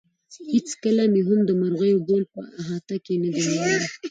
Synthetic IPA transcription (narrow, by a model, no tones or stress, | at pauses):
het͡skəlameɦʊmd̪əmaɾɣajobolpə̰aɦɑt̪akenad̪iɾawəli